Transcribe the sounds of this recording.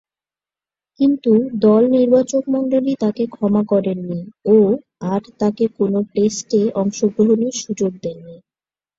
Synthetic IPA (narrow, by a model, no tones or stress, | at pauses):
kint̪ud̪ɔlniɾbat͡ɕokmɔɳɖolit̪akekʰɔmakɔɾenːio | aɾt̪akekonoʈesʈeɔŋʃoɡɾoɦoniʃud͡ʑoɡ̚d̪enːi